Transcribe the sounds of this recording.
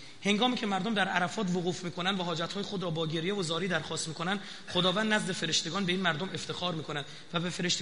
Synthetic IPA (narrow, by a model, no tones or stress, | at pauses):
he̞ŋɡɒːmiːcʰe̞mæɾd̪omd̪æɾʔæɾæfɒːt̪voɣuːfmiːkʰo̞nænd̪væɦɒːd͡ʒæt̪hɒːjexod̪ɾɒːbɒːɟe̞ɾjevozɒːɾiːd̪æɾxɒːst̪miːkʰo̞nænd̪ | χod̪ɒːvænd̪ːnæzd̪efe̞ɾe̞ʃt̪e̞ɡɒːnbe̞iːnmæɾd̪ome̞ft̪ʰe̞xɒːɾmiːkʰonænd̪ | væbefeɾe̞ʃt̪